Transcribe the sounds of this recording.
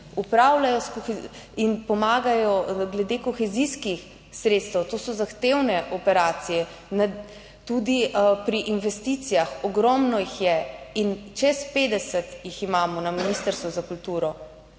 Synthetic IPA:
upɾaːwlajɔskɔx | inpɔmaːɡajɔɡlɛd̪eːkɔxɛziskix | sɾeːt̪st̪ɛwt̪oːsɔzaxt̪eːwnɛʔɔpɛɾaːt̪sijɛ | na | t̪ud̪ipɾiʔinʋɛst̪it̪sijaxɔɡɾɔmnɔjixjɛint͡ʃɛspeːd̪ɛsɛt̪jiximaːmɔnaminist̪əɾst̪ʋɔzakult̪uːɾɔ

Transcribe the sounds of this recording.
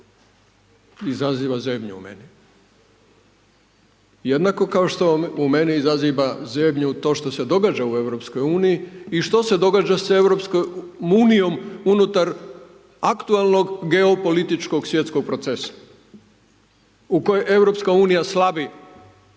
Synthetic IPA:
izaziːʋazemʎṵṵmḛni | je̞d̪nako̞kaoʃt̪o̞ume̞niizaziʋazemɲut̪o̞ːʃt̪o̞se̞d̪o̞ɡad͡ʒaue̞ʋɾo̞psko̞juːnijiiʃt̪o̞se̞d̪o̞ɡaːd͡ʒase̞ʋɾo̞pskojmuːnijo̞munut̪aɾ | akt̪ualˠno̞ɡɡe̞opo̞lit̪it͡ʃko̞ɡsʋjet̪sko̞ɡ̚pɾo̞t̪se̞sḁ | uko̞jeʔe̞vɾo̞pskauːnijaslabi

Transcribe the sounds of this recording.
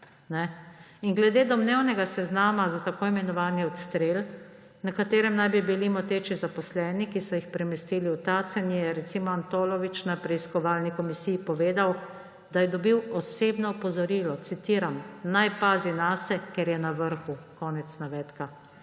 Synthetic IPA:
nɛ | iŋɡlɛd̪eːd̪ɔmnewnɛɡasɛznaːmazat̪akoːimɛnɔʋaːniɔt̪st̪ɾeːl | nakat̪eːɾɛmnajbibilimɔt̪eːt͡ʃizapɔslɛːnikisɔjixpɾɛmɛst̪iːliwt̪aːt̪sɛnjɛɾɛt̪simɔant̪oːlɔʋit͡ʃnapɾɛiskɔʋaːlnikɔmisijipɔʋeːd̪aw | d̪ajɛd̪ɔbiwɔseːbnɔːpɔzɔɾiːlɔt̪sit̪iːɾamnajpaːzinaːsɛkɛɾjɛnaʋəɾxukɔːnɛt̪snaʋɛːt̪ka

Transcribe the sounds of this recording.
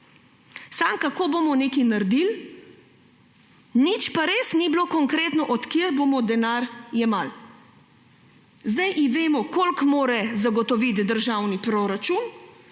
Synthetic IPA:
samkakoːboːmɔnekinaɾd̪il | nit͡ʃpaɾeːsniblokɔŋkɾeːt̪nɔʔɔt̪kjeɾbomɔd̪ɛnaːɾjɛmal | zd̪ajʔiʋeːmɔkolkmoːɾɛzaɡɔt̪ɔʋit̪d̪əɾʒawnipɾoːɾat͡ʃun

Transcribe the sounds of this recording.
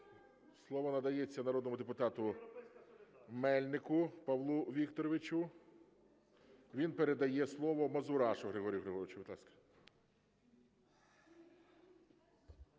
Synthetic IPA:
slˠɔʋɔnɐd̪ɐjɛt͡sʲːɐnɐɾɔd̪nɔmʊd̪epʊt̪ɑt̪ʊ | mɛlʲnɪkʊpɐʋlˠuʋʲikt̪ɔɾɔʋɪt͡ʃʊ | ʋʲinpeɾed̪ɐjɛslˠɔʋɔmɐzʊɾɑʃʊɣɾeɦɔɾʲijʊɦɾeɦɔɾɪt͡ʃʊʋɪd̪lˠɑskɐ̥

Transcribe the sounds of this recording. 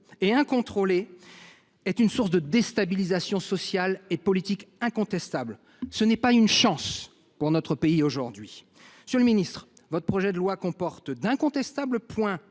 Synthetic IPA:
eɛ̃kɔ̃t̪χole | ɛt̪ynsuʁsd̪əd̪est̪abilizasjɔ̃sɔsjalepɔlit̪ikɛ̃kɔ̃t̪ɛst̪abl | sənɛpaynʃɑ̃s | puʁnɔt̪χəpeioʒuʁd̪ɥi | sjələminist̪χ | vɔt̪χə̥pχɔʒɛd̪əlwakɔ̃pɔʁt̪d̪ɛ̃kɔ̃t̪ɛst̪abləpwɛ̃

